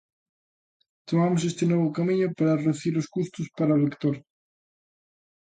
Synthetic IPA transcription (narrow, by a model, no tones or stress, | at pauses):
t̪omamos̬est̪enoβ̞ʊkamĩɲopaɾareuθiiɾoskust̪uspaɾaolekt̪oɾ